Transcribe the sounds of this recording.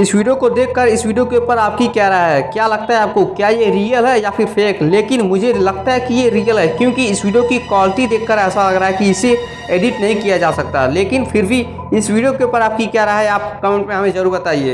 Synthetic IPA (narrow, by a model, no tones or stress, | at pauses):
ɪswiːɖijokod̪eːkʰːəɾɪswiːɖijokeuːpəɾaːp̚kikɛɦɾaaɦɛkjalɐɡ̚t̪aɦɛaːp̚kokjajeɾijəlɦɛjafʰɪɾpʰeːkleːkɪnmʊd͡ʒʱelɐɡ̚t̪aɦɛkijeɾijəlɦɛkjõːkiɪswiːɖijokikwaːlɪʈid̪eːkʰːəɾɛːsalɐɡɾaːɦɛkiɪsːe | eːɖɪʈnɐɦĩkijad͡ʒaːsɐk̚t̪aɦɛleːkɪnpʰɪɾbʱi | ɪswiːɖijokeuːpəɾaːp̚kikɛːɾaaɦɛaːp̚kɐmẽɳʈmẽɦɐmẽzɐɾuːɾbət̪aːiḛː